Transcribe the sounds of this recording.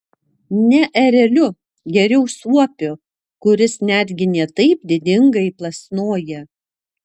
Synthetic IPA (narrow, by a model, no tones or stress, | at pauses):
nʲɛʔɛɾʲɛlʲʊ | ɡʲɛɾʲɛʊsuɔpʲʊ | kʊɾʲɪsnʲæd̪ʲɡʲɪnʲeːt̪ɐɪpd̪ʲɪd̪ʲɪŋɡɐɪplˠɐsnoːjɛ